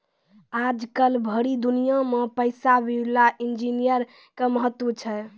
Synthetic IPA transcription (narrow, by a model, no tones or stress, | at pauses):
ad͡ʒkəlbʱəɾid̪unijãmepəɪsabilaʔind͡ʒinijəɾ | keməɦət̪ːwət͡ʃʰɛ